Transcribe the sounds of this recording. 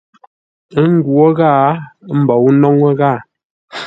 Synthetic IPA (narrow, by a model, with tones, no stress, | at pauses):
ŋ˦ɡwo˦ɣaː˦˨m̩˦˨bɔ˨wu˦nɔ˦ŋə˦ɣa˦˨